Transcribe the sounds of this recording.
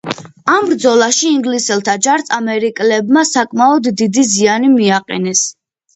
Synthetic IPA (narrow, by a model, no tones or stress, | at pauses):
ambɾd̪zɔlˠaʃiːŋɡlisɛlˠt̪ʰad͡ʒaɾt̪sʼʰamɛɾikʼlɛbmasakʼmaɔd̪ːid̪izianimiaqʼɛ̰nɛs